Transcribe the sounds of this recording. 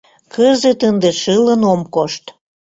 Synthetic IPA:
kəzet̪ənd̪eʃələnomkoʃt̪

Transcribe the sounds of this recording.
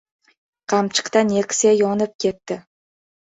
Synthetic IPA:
qʰɑmt͡ʃʰɨ̥qt̪anekʲʰɪ̥sajɒnɪp̚kʲʰe̞t̪ːɪ

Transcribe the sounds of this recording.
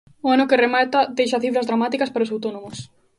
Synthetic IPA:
oanokeremat̪ɐd̪ejʃɐθifɾɐzðɾamat̪ikɐspaɾosawt̪onomʊs

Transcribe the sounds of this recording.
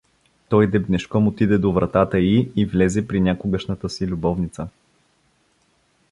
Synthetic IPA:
t̪ɔjd̪ɛbnɛʃkɔmot̪id̪ɛd̪ovɾɐt̪at̪əiːvlʲɛzɛpɾinʲakʊɡəʃnət̪əsilʲʊbɔvnit̪sə

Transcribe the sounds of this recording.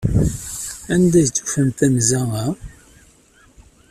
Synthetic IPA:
ænd̪æjt͡sːu̥fəmt̪ænzæŋæ

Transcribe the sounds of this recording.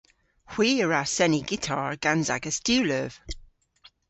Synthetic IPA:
hw̥iːəɹasɛniɡitʰɑɹɡ̥anza̰ɡəstʉːləv̥

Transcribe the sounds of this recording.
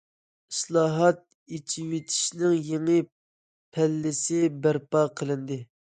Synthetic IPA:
islˠɑːɦɑt̪̚ | it͡ʃʰiwet̪ʰi̥ʃnɪŋjeŋɨ | pʰælːɪsɪbæɾpɑːqʰəlˠɨnd̪ɨ

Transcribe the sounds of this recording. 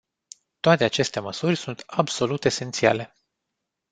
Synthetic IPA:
t̪oat̪e̞at͡ʃe̞st̪e̞məsurʲsunt̪abso̞lut̪e̞se̞nt̪sia̰le̞

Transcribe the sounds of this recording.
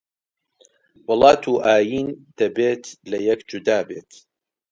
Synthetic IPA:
wɨlˠɑːt̪ʰuːʔaːjiːnd̪̥ɐbeːt̪lɐjɐkd͡ʒud̪aːbeːt̪

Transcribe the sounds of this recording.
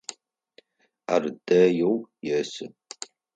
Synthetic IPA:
ardɐjowjɛːsɨ

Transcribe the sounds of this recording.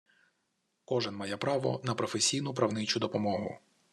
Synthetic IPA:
kɔʒɛnmɑjɛpɾɑʋɔ̰nɐpɾɔfesʲijnʊpɾɐwnɪt͡ʃʊd̪ɔpɔmɔɦʊ̰

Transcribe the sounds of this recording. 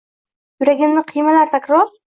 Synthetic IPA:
jʊɾaɡʲɪmnɪqʰijmalaɾt̪ʰakʲɾɒɾ

